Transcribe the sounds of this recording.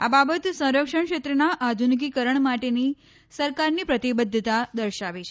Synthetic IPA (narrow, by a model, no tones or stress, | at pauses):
ababət̪sə̃w̃ɾəkʂəɳkʃet̪ɾənaʔad̪ʱunk̬ikəɾəɳmaʈeni | səɾkaɾnipɾət̪ibəd̪ʱːət̪ad̪əɾʃaʋit͡ʃʰ